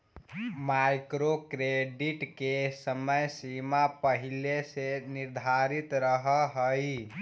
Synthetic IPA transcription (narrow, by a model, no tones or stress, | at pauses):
majkɾokɾeɖiʈkesəməjsimapəɦileseniɾd̪ʱaɾit̪ɾəɦəɦəji